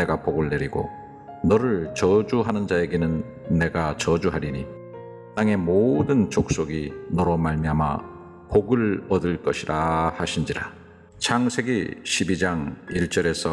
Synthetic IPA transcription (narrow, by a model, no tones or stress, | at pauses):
e̞ɡapoɡɯɭːe̞ɾiɡo̰ | nʌɾɯɭt͡ɕʌd͡ʑuɦanɯnd͡ʑae̞ɡe̞nɯnː | e̞ɡat͡ɕʌd͡ʑuɦaɾiɲi | t͈aŋe̞modɯnt͡ɕok̚s͈oɡinʌɾʌmaɭmiɦama̰ | poɡɯɭʌdɯɭk͈ʌɕʰiɾahaɕʰind͡ʑiɾa | t͡ɕʰaŋsʰe̞ɡiɕʰibid͡ʑaŋiɭt͡ɕ͈ʌɾe̞sʰʌ